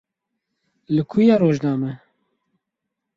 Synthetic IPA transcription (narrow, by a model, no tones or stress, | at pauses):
lɨkʰujaːɾoːʒnaːmɛ